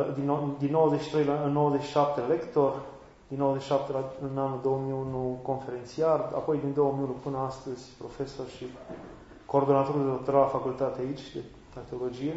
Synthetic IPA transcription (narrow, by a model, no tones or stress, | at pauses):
d̪inod̪inːo̞wəzeʃi̥t̪ɾe̞jlaɨnːowəzet͡ʃʃi̥ʃap̚t̪elekt̪orʲ | d̪inːowəzeʃiʃap̚t̪elaɨnanuld̪o̞wəmiunuko̞nfe̞ɾent̪siara̰po̞jd̪ind̪o̞wəmiunupɨnəast̪əzʲpɾo̞fe̞sorʃi | ko̞ːrd̪o̞nat̪o̞ɾud̪eot̪oɾalfakult̪at̪eait͡ʃʲd̪e | k̪at̪eolo̞d͡ʒije